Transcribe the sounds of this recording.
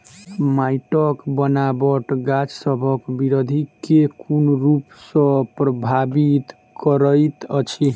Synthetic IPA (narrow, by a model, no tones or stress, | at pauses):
majʈɔkbənabɔʈɡad͡ʒsʌbʱʌkbiɾod̪ʱikekunɾupsʌ̃pɾɔbʱabit̪ | kɔɾəjt̪ʌt͡ʃʰi